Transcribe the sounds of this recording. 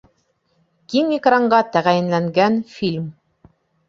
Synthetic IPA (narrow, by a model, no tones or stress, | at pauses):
kiŋikrɑɴɢɑt̪æʁæjɘ̆nlæŋɡænfʲilʲm